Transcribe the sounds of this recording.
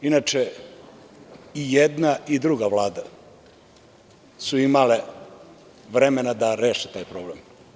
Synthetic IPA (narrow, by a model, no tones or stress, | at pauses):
inat͡ʃe | ijed̪naid̪ɾuɡaʋlaːd̪a | suimale | ʋɾeme̞nad̪aɾeːʃet̪aːjpɾo̞ːblem